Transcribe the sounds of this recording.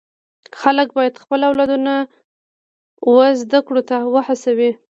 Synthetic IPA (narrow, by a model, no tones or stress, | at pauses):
xalək̚bɑjad̪xpəlawlɑd̪una | wəzd̪akɽot̪awəhasawi